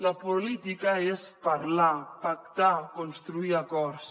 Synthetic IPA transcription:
lapolit̪ikaespaɾlapak̚t̪akonst̪ɾuiakɔɾs

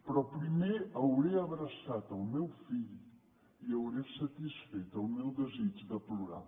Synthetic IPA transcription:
pɾɔpɾimeɐwɾeɐβɾɐsat̪awmewfiʎ | iɐwɾesɐt̪isfet̪awmewðəzit͡ʃðəpluɾa̰

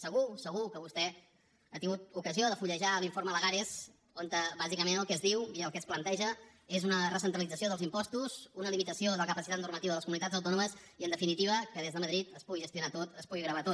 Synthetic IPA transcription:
səɣ̞usəɣukəβust̪ɛ | ət̪iŋɡut̪ukəzioðəfuʎəʒaliɱfoɾmələɣaɾes | kont̪əβazikəmenəlˠkɛzðiwiəlˠkɛsplənt̪ɛʒəezunərəsənt̪ɾəlid͡zəsioð̞əlˠzimpɔst̪uzunəlimit̪əsioðələkəpəsit̪at̪nurmət̪iβəðələskumunit̪ad͡zəwt̪ɔnuməziənd̪əfinit̪iβ̞əkəðezðəməðɾit̪əspuɣiʒəst̪junat̪ot̪əspuɣiɣɾəβat̪o

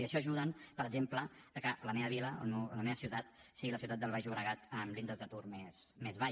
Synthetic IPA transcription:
iəʃɔʒuðənpəɾəɡd͡ʒempləː | kələmeβəβiləo̰lmeləmeβəsiuwt̪at̪̚ | siɣiləs̬iwt̪at̪d̪əlˠβajʒuβɾəɣat̪əmlind̪əzðət̪urmesmezβa

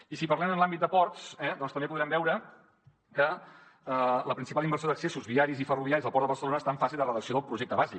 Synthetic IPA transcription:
isipəɾlɛmənlˠambit̪̚d̪əpɔrt̪sɛd̪ɔnst̪əmbepuðɾɛmbɛwɾə | kə | ələpɾinsipalˠimbərsjoðəksesuzβiaɾizifəruβiaɾizðəlˠpɔrt̪əβərsəlonəːst̪aəɱfasilˠd̪ərəðəksioðəlˠpɾuʒek̚t̪əβazi

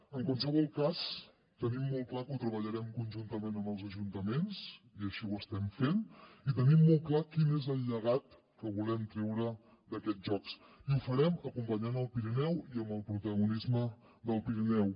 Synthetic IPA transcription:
əŋkwansəβɔlˠkas | t̪ənimːɔlˠklakut̪ɾəβəʎəɾɛmkunʲʒunt̪əmenəmbəlˠzəʒunt̪əmens | iəʃiwəst̪ɛmfenit̪ənimːɔlˠklakinezəlʎəɣat̪ | kəβulɛmt̪ɾɛwɾə | d̪əkɛt̪ʒɔks | iufəɾɛməkumpəɲanəlˠpiɾinɛwiəməlˠpɾut̪əɣunizmə | ðəlˠpiɾinɛw

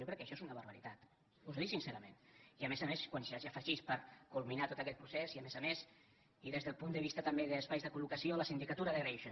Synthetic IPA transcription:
owkɾɛkːəʃɔezunəβəɾβəɾit̪at̪ | uzðisinseɾəmẽniəmezameskwanʒaʒafəʒispəɾkulˠminat̪ot̪əkɛt̪̚pɾuseziəmezəmes | iðezðəlˠpund̪əβist̪ət̪ambeðəːspajzðəkulukəsioləsind̪ikət̪uɾəðərejʃo

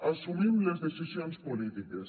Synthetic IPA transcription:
asumimlezd̪esisjonspolit̪ikas

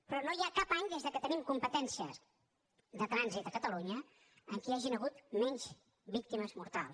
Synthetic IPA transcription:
pɾɔnojakapaɲd̪ezðəkət̪ənimkumpət̪ɛnsiə̰s | d̪ət̪ɾanzit̪əkət̪əluɲə | əŋkiaʒinəɣ̞ut̪mɛɲz | bik̚t̪iməzmuɾt̪a̰lˠs

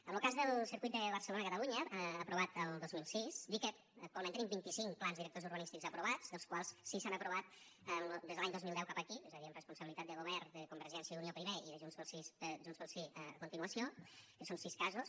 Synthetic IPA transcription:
əmlˠkazðəlˠsəɾkjt̪d̪əβərsəlonəkət̪əluɲəːpɾuβat̪əlˠd̪ozmilˠsisd̪ikə | k̚t̪walment̪ənimbint̪isiŋkplanzðiɾək̚t̪ozuɾβənist̪ikzəpɾuβ̞at͡sðəlˠskwalˠssisanəpɾuβat̪̚əmd̪ezðlaɲd̪ozmilˠd̪ɛwkapəkiozəðiəmrəspunsəβilit̪at̪d̪əɣoβɛɾðəkumbəɾʒɛnsjəðuniopɾiβeiðəʒunzβəlˠsisʒunzβəlˠsiəə̰kunt̪inuəsiokəsonsiskazus

